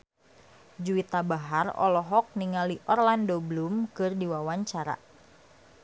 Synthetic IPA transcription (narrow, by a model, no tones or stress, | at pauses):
d͡ʒuit̪abaɦarɔ̰lɔɦɔk̚niŋaliʔɔrlandoblumkɨrdiwawaɲt͡ʃaɾa̰